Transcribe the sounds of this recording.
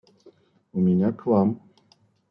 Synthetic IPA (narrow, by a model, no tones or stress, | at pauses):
umʲiɲakvam